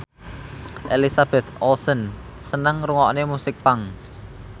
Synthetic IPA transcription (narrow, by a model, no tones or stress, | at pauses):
ʔelisab̥ɛt̪ɔlsən | sənəŋruŋɔʔnemusɪk̚paŋ